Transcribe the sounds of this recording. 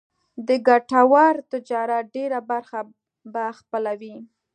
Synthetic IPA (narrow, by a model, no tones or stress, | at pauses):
d̪əɡaʈawaɾt̪ɪd͡ʒɑɾaɖeɾabaɾxa | baxpəlawi